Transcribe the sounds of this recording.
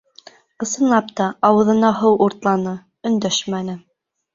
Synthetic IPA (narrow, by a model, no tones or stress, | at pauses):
ɤ̆sɤ̆nlˠɑpt̪ɑɑwɤ̆ðɤ̆nɑɦɤwʔuɾt̪lˠɑnɤ | ɵ̆nd̪æʃmænɘ